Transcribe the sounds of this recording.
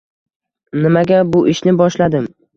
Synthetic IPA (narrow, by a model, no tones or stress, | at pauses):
nɪmaɡʲabʊʔɪʃnɪbɒʃlad̪ɪm